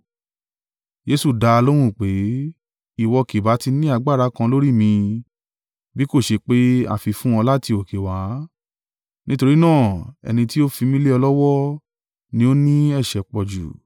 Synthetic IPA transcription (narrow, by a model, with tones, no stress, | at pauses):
d͡ʒe˧˦su˦˨da˧a˧lo˦w̃ũ˦˨k͡pe˨˦ | i˦˨wɔ˧ke˨ba˨˦ti˧nĩ˦a˧ɡ͡ba˦˨ɾa˨˦kã˧lo˦ɾi˦˨mĩ˧ | bi˦ko˦˨ʃe˧k͡pe˦a̰˦˨fi˧fũ˦ɔ̃˧la˦ti˧o˨ke˨waː˨˦ | nʔĩ˦to˧ɾi˦nãː˦˨ɛ̰˧nĩ˧ti˦o˦fi˧mĩ˦le˦ɔ˧lɔ˦wɔ˦ | nĩ˧˦o˦nĩ˦ɛ˦˨ʃɛ˨k͡pɔ˨d͡ʒṵ˨